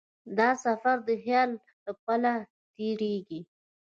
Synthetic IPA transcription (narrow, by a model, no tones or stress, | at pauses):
d̪ɑsafaɾd̪əxjɑl | t̪əpəla | t̪eɾeɡi